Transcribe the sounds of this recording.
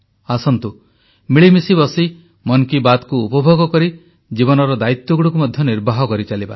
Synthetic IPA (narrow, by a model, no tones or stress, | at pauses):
asɔnt̪u | miɭimisibɔsi | mɔnkibad̪kuːpɔbʱoɡɔkɔɾi | d͡ʒibɔnɔɾɔd̪ait̪wɔɡuɽukumɔd̪ʱjɔniɾbʱaɦɔkɔɾit͡ʃaliba̰